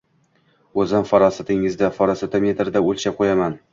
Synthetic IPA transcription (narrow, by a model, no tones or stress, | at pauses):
ɵzɪmfɒɾɒsat̪ɪŋɪzd̪afɒɾɒsat̪ɪmʲe̞t̪ɾd̪aɵlʲt͡ʃaqʰojaman